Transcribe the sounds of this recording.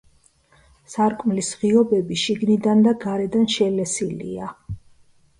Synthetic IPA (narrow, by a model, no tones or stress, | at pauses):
saɾkʼmlisʁiɔbɛbiʃiɡnid̪and̪aɡaɾɛd̪anʃɛlɛsilḭa